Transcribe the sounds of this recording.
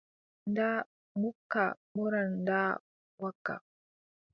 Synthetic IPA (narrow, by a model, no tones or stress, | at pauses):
nda | mukːa̰muɾandaː | waka̰